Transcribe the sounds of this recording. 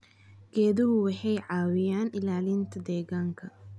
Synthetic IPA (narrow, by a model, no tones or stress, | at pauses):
ɡ̥ɛːðʊɦʊwɑħɑjʕɑːwɪjaːnɪlaːlɪnt̪ʰɐd̪ɛːɣaːŋkʰɐ